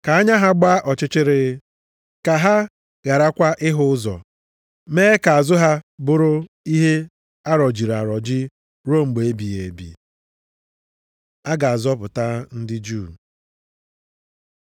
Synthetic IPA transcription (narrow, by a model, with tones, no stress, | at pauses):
ka˨a˦ɲa˦ɦa˦ɡ͡ba˦ʔɔ˨t͡ʃɪ˦t͡ʃɪ˦ɾɪ˦ | ka˨ɦa˦ | ɣa˨ɾa˦kʷa˦ʔɪ˦ɦʊ˦ʊ˦zɔ̰˨ | meː˦ka˨a˨zʊ˦ɦa˦bʊ˦ɾʊ˦ | i˦ɦe˦ | a˦ɾɔ˨d͡ʒi˨ɾa˨ɾɔ˨d͡ʒɪ˦ | ɾo˦˨ŋ͡m̩˨ɡ͡be˨e˦bi˨je˨bḭ˨ | a˦ɡa˨a˨zɔ˦pʊ˨ta˦n̩˦dɪ˦d͡ʒu˦˨